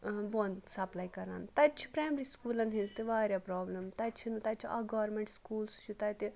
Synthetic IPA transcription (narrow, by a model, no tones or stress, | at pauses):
bõːnsɐplaːikɐɾa̰ːnt̪ɐt͡ʃʰi̥pɾaːjmɾiskuːlɐ̃nɦĩnst̪eʋaːɾjapɾɔːblɐmt̪ɐt͡ʃʰinut̪ɐt͡ʃʰia̰ɡɔːɾmẽɳʈskuːlst͡ʃʰut̪ɐt̪e